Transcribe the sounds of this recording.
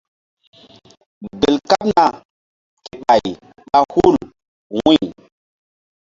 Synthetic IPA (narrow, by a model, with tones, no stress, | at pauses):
be˨lka˦p̚na˨ | ke˦ɓa˨j | ɓa˦hu˦˨l | wũ˦˨